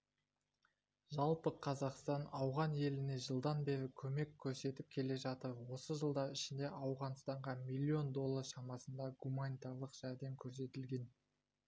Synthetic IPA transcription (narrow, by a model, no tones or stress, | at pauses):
ʒɑlˠpəqʰɑzɑqst̪ɑnɑwʁɑnje̞lɪne̞ʒəlˠd̪ɑnbe̞ɾɪkʲʰɵme̞kʲʰːɵɾse̞t̪ɪp̚kʲʰe̞le̞ʒɑt̪əɾwo̞səʒəlˠd̪ɑɾɪʃɪnd̪e̞ʔɑwʁɑnst̪ɑɴʁɑmijlʲːio̞nd̪o̞lˠːɑɾʃɑmɑsənd̪ɑɡumanijt̪ɑɾlˠəqʒ̥æɾd̪e̞ŋkʲʰɵɾs̬e̞t̪ɪlɡʲe̞n